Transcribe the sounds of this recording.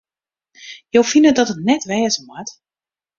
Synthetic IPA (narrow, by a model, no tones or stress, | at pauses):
jowfinədɔtətnɛtʋɛːzəmwat